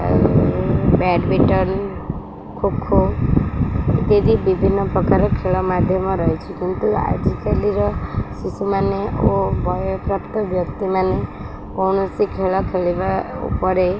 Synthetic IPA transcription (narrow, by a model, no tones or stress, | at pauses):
bɛɖbiʈɔn | kʰukʰːo | t̪ed̪ibibʱinːɔpɾɔkaɾɔkʰeɭɔmad̪ʱjɔmɔɾɔɦjt͡ʃʰikint̪ua̰d͡ʒikaliɾɔsisumaneobʱɔjɔpɾapt̪ɔbʱjɔkt̪imane | kɔɳɔsikʰeɭɔkʰeɭibaṵpɔɾe